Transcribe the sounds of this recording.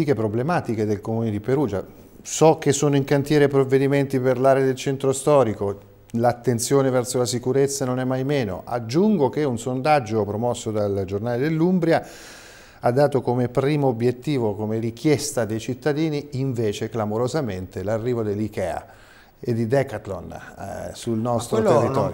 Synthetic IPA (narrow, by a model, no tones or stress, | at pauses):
ikepɾoblemaːt̪iked̪elkomuned̪ipeɾuːd͡ʒa̰ | sɔk̟ːesːoːnoiŋkant̪jɛːɾepɾovːed̪iment̪iperlaːɾed̪elt͡ʃɛnt̪ɾost̪ɔːɾiko | lat̪ːent̪sjoːnevɛrsolasikuɾet̪sːanonɛmːajmeːno̰ʔa̰d͡ʒːuŋɡok̟eunsond̪ad͡ʒːopɾomɔsːod̪ald͡ʒornaːled̪elːumbɾja | ad̪ːaːt̪okomepɾiːmoːbːjet̪ːiːvokomerik̟jɛst̪ad̪ejt͡ʃit̪ːad̪iːniiɱveːt͡ʃeklamoɾozament̪elarːiːvod̪elːikɛa̰ | ed̪ːid̪ɛkat̪lo̰nsulnɔst̪ɾoerːiɔːɾjo